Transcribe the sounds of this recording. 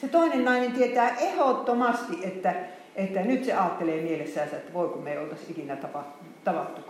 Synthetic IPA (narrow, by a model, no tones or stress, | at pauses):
set̪oinennɑinent̪iet̪æːʔehot̪ːomɑst̪iʔʔet̪ːæ | et̪ːænyt̪seɑːt̪ːeleːmielesːæːnsæet̪ːæʋoˑikummeiolt̪ɑssikinæt̪ɑpɑt̪ut̪ɑʋɑt̪ːuk